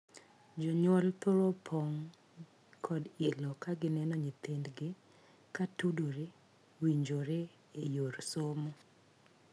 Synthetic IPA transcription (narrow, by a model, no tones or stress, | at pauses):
d͡ʒɔɲwɔlt̪oɾopʰɔŋ | kʰɔdɪlɔkaɡɪnɛnɔɲit̪endɡɪ | katudoɾe | wiɲd͡ʒoɾe | ejoɾsomo